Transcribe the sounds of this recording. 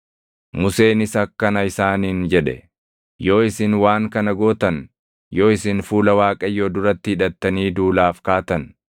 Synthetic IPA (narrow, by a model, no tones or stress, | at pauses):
mʊse̞ːnɪsɐkːɐnɐɪsaːniːnd͡ʒɛᶑɛ̰ | jo̞ːɪsɪnwaːŋkɐnɐɡo̞ːt̪ɐn | jo̞ːɪsɪnfuːlɐwaːkʼɐjoːd̪ʊɾɐt̪ːɪhɪᶑɐt̪ːɐniːd̪uːlaːfkaːt̪ɐn